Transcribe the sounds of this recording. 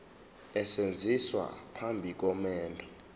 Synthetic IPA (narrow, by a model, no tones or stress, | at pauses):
ɛsend͡zʱiswa̰pʰambʱik̬ʼɔmɛːndʰʱɔ